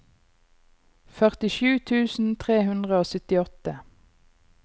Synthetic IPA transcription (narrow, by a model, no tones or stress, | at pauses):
fœʁt̪ɪʃʉːt̪ʰʉːsn̩t̪ʰʁeːhʉnd̪ʁəoːsʏt̪ɪɔt̪ə